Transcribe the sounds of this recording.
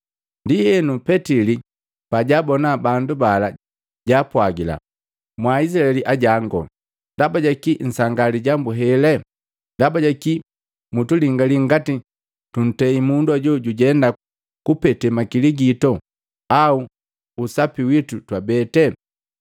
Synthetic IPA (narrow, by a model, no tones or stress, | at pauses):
ndijɛnupɛtili | paɟabɔnabandubala | ɟapwaɡila̰ | mwais̬ilaɛliʔaɟaŋɡɔ̰ | ndabaɟakin̩saŋɡaliɟambuɦɛlɛ | ndabaɟaki | mutuliŋɡaliŋ̩ɡati | tun̩tɛimunduaɟɔɟuɟɛnda | kupɛtɛmakiliɡitɔ | auː | sapiwitutwabɛtɛ